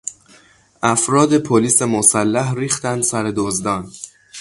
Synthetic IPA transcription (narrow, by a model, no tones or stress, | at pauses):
ʔæfɾɒːd̪e̞pʰoliːse̞mosælːæhɾiːxt̪ænd̪sæɾe̞d̪ozd̪ɒːn